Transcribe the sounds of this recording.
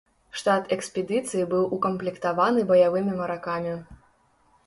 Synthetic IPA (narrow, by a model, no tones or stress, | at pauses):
ʂt̪at̪ɛksʲpʲɛd̪ɨt̪sɨjibɨwʔukɐmplʲikt̪avanɨbɐjavɨmʲimɐɾakamʲi